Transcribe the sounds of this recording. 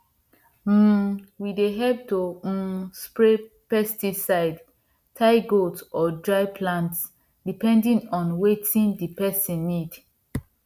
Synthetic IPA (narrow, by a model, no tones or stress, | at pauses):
m̩wideɦɛp̚tospɹe | pɛstisaɪd | tʰaɪɡotɔdɹaɪpʰlãnts | dipɛ̃ndĩnɔ̃nwetʰĩndipɛsĩnːid